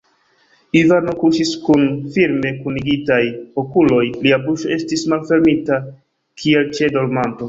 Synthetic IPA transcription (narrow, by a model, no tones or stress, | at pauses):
ivano̞kuʃiskunfiɾme̞kuniɡitajokulo̞jliabuʃo̞e̞stismalfe̞ɾmita | kʰie̞lt͡ʃe̞do̞ɾmanto̞